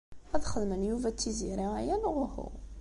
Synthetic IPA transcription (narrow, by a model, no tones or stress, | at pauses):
æðχəðmənjuvæt͡sːiziɾiʁæjænʁʊhṵ